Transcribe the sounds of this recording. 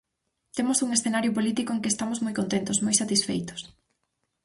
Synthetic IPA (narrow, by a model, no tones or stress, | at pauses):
t̪emʊsuŋesθenaɾjʊpolit̪ikoeŋkɪest̪amosmojkont̪ent̪ʊsmojsat̪isfḛjt̪ʊ̥s